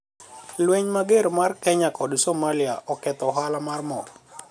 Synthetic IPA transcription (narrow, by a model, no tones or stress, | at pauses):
lweɲmaɡeɾmarkɛɲakɔdsomaliaʔɔkɛt̪ɔɦalamarmɔ